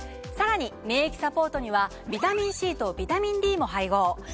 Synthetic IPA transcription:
saɾaɲ̟ime̞ːikʲi̥sapo̞ːt̪o̞ɲ̟iβa | bʲit̪amʲĩɰ̃ɕiːt̪o̞ːbʲit̪amʲĩnɾʲiːmo̞ɦaiɡo̞ː

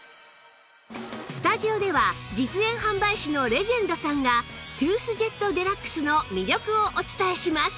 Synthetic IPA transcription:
sɨ̥t̪aʑio̞d̪e̞βad͡ʑit͡sɨẽ̞ɰ̃ɦãmbaiɕino̞ɾe̞ʑẽ̞nd̪o̞sãŋɡat̪ɯːsɨʑe̞t̪ːo̞d̪e̞ɾakːɯ̥sɨno̞mʲiɾʲo̞kɯ̟oʔot͡sɨ̥t̪aeɕimasɨ̥

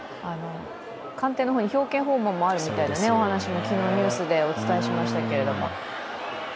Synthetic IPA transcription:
ano̞ | kãnt̪e̞ːnoɦoːɲ̟içʲo̞ːkẽ̞ɰ̃ɦo̞ːmõmːo̞aɾɯ̟mʲit̪ainane̞o̞ɦanaɕimo̞kʲino̞ːɲ̟ʲɨːsɨd̪e̞o̞t͡sɨ̥t̪ae̞ɕimaɕi̥t̪ake̞ɾe̞d̪o̞mo̞̰

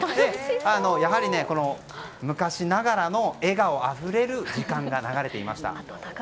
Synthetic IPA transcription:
d̪e̞ano̞jaɦaɾʲine̞ko̞no̞ | mɯ̟kaɕinaɡaɾano̞e̞ɡao̞aɸɯ̟ɾe̞ɾɯ̟d͡ʑikãŋɡanaɡaɾe̞t̪e̞ima̰ɕi̥t̪a̰

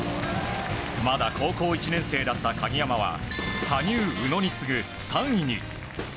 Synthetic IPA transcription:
mad̪akʰo̞ːko̞ːit͡ɕinẽ̞se̞ːd̪at̪ːakaɡʲijamaβa̰kʰaɲʲɨːɯ̟no̞ɲ̟it͡sɨɡɯ̟sãɰ̃iɲ̟ḭ

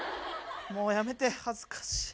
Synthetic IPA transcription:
moːjame̞t̪ehazɨ̥kḁɕi̥

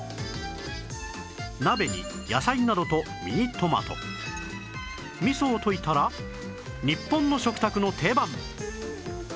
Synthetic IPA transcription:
nabe̞ɲʲḭ | jasainad̪o̞t̪o̞ | mʲḭɲ̟it̪o̞ma̰t̪o̞̰ | mʲiso̞ːt̪o̞it̪aɾa | ɲ̟ipːõnːo̞ɕo̞kɯ̟̥t̪akɯ̟no̞t̪ʰe̞ːbãm

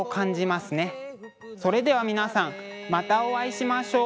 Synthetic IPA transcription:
okãɲ̟d͡ʑimasɨne̞ | so̞ɾe̞d̪e̞β̞amʲinasãŋmat̪ao̞βaiɕimaɕo̞ː

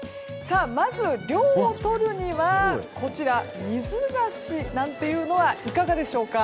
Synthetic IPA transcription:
saːmazɨɾʲo̞ːot̪o̞ɾɯ̟ɲ̟iβakʰo̞t͡ɕiɾamʲizɨɡaɕinãnt̪e̞jɯ̟ːno̞βaʔikaɡad̪e̞ɕo̞ːka

